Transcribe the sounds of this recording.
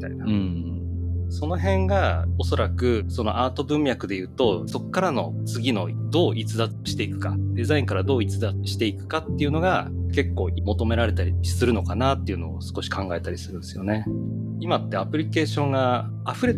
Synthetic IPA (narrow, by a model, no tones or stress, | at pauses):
t̪a̰inaɯ̟̃ː | so̞no̞ɦẽ̞ŋɡao̞so̞ɾakɯ̟so̞no̞ʔaːt̪o̞bɯ̟̃mʲːjakɯ̟d̪e̞jɯ̟ːt̪o̞so̞kːaɾano̞t͡sɨɡʲino̞̰d̪o̞ːʔit͡sɨd̪a | ɕi̥t̪e̞ikɯ̟̥kad̪e̞zaĩŋkaɾad̪o̞ːit͡sɨd̪aɕi̥t̪e̞ikɯ̟̥kat̪ːe̞iɯ̟no̞ɡake̞kːo̞̰ːmo̞t̪o̞me̞ɾaɾe̞t̪aɾʲisɨɾɯ̟no̞kanaːt̪ːe̞iɯ̟no̞ːsɨ̥ko̞ɕi̥kʰãŋɡae̞t̪aɾʲisɨɾɯ̟nd̪esɨjo̞ne̞ | imat̪ːe̞apɯ̟ɾʲike̞ːɕõ̞ŋɡaː | aɸɯ̟ɾe̞